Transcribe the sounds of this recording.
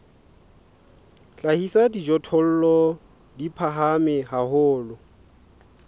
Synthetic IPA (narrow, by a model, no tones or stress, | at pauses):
t͡ɬʼahisadid͡ʒɔtʰɔl̩lɔ | dipʰaɦamɪɦahʊːlʊ